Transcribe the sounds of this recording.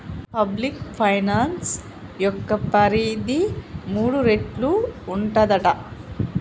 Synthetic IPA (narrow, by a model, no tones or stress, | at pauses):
pɐblikpʰɐjnaːns | jɔkːɐpɐɾiːd̪imuːɽuɾeʈluːɳʈɐd̪ɐʈɐ